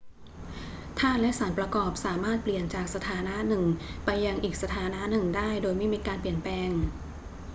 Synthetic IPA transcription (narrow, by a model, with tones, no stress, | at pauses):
t̪ʰaː˥˩n̚lɛ˦˥ʔsaː˩˦npɾa˧kɔː˨˩p̚saː˩˦maː˥˩t̪̚pli˨˩ənt͡ɕaː˨˩k̚sa˧t̪ʰaː˩˦na˦˥ʔnɯ˨˩ŋpa˧jːa˧ŋʔiː˨˩k̚sa˧t̪ʰaː˩˦na˦˥ʔnɯ˨˩ŋdaː˥˩jdoː˧jma˥˩jmiː˧kaː˧npli˨˩ənplɛː˧ŋ